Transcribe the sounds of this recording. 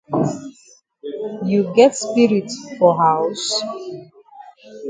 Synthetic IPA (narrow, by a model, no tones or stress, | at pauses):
juɡɛtspiɹitfɔɦaʊs